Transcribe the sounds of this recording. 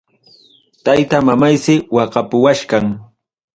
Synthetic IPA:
t̪ajt̪amamajsɪwɑɢɑpʊwaʃkaŋ

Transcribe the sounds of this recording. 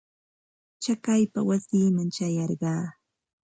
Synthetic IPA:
t͡ʃakajpawasiːmaŋt͡ʃajɑɾɢɑː

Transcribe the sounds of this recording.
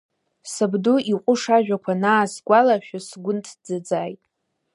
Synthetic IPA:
sabduiqʷʼʊʂaʒᶣakʷʰanaːsɡʷalaʃᶣasɡʷʊntʰd͡zad͡zaːjtʼ

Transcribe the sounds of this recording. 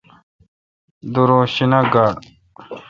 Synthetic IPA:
d̪uɾoɕinaɡaːɽ

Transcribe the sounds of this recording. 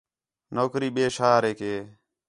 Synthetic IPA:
noːkɾiːɓeːʃaːɾeːkeː

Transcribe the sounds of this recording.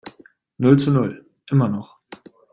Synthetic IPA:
nʊlt͡sunʊl | ʔɪmɐnɔχ

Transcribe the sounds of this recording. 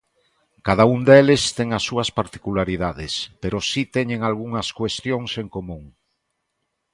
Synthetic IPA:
kaðaund̪elest̪eŋasːuɐspaɾt̪i̥kulaɾiðaðespeɾosit̪eɲẽŋalɣuŋɐskwest̪joŋseŋkomũŋ

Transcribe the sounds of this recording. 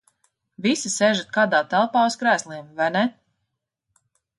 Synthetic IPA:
visiseːʒat̪̚kaːd̪aːt̪ælˠpaːuskɾæːslˠiɛmvajnɛ

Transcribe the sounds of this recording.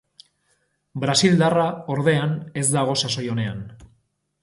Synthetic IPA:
bɾasild̪arao̞ɾð̞e̞ane̞zd̪aɣ̞o̞saso̞jo̞ne̞a̰n

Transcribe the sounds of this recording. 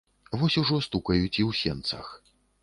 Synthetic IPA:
vɔsʲuʐɔst̪ukɐjut͡sʲiwsʲɛnt̪sɐ̰x

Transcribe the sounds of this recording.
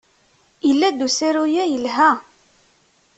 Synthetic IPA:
əlːæd̪usiɾujæjəlɦæ

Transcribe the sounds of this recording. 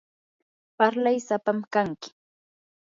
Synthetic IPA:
paɾlajsapamkaŋkɪ̥

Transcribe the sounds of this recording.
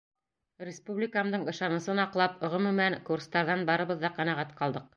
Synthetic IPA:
rʲɪspublʲɪkamd̪ɤɴɤ̆ʃɑnɤ̆sɤnɑqlˠɑpŏʁɵ̆mɵ̆mæŋkurst̪ɑɾðɑnbɑɾɤ̆βɤ̆ðːɑqɑnæʁæt̪qɑlˠd̪ɤq

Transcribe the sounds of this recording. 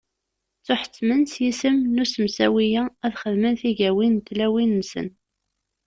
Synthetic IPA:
t͡sːʊħə̥t͡sːmənsjisəmnusəmsæwijææðχəðmənθiʝæwint̪ːlæwinːsə̰n

